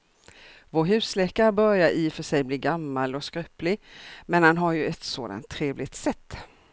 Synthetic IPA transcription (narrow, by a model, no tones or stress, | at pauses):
voːɦʉ̟ːslɛːkaɾbœɾjaɾʔiːfœʂɛjbliːɡamːalɔskɾœplɪmɛnhanɦaɾjɵɛt̪soːd̪a̰nt̪ʰːɾeːvlɪt̪sɛt̪ː